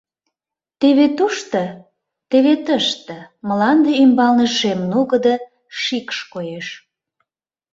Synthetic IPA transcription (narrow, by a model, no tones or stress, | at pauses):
t̪eβet̪uʃt̪ə | t̪eβet̪əʃt̪əməlɑnd̪eymbɑlnəʃemnuɣəd̪ə | ʃikʃkojeʃ